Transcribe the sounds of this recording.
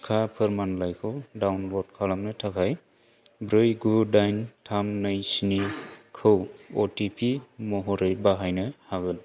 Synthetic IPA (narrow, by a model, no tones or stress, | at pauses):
kʰapʰɯɾmanlajkʰɯwdawnbɔd̚kʰalamnɯtʰakʰaj | bɾɯjɡudajntʰamnɯjsinikʰɯwɔtipʰimɔɦɔɾɯjbaɦajnɯhaɡɯl